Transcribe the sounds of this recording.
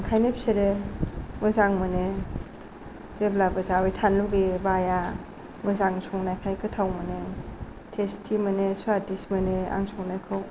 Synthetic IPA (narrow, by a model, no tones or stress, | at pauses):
ŋkʰajnep̚seɾe | mɯzaŋmɯne | z̥eblabɯzawejtʰanluɡebaja | mɯzaŋsʰɔŋnajkʰajkɯtʰawmɯne | tʰestʰimɯnesadismɯnea̰ŋsɔŋnajkʰɯw